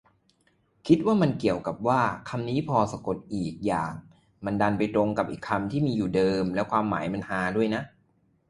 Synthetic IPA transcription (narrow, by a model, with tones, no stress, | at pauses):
kʰi˦˥t̪̚waː˥˩ma˧nki˨˩əwka˨˩p̚waː˥˩kʰa˧mniː˦˥pʰɔː˧sa˧ko˨˩t̪̚ʔiː˨˩k̚jaː˨˩ŋ | ma˧nda˧npa˧jt̪ɾo˧ŋka˨˩p̚ʔḭː˨˩kʰːa˧mt̪ʰiː˥˩miː˧juː˨˩dɤː˧mlɛ˦˥kʰwaː˧mːa̰ː˩˦jma˧nhaː˧du˥˩əjna˦˥ʔ